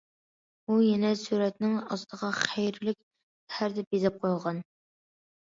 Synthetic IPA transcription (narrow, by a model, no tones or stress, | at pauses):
bujɛnɛsyɾɛt̪nɪŋɑst̪ʰəʁɑχæjɾlɪkʲ | hæɾd̪ɛp̚jezɛp̚qʰojˠʁɑn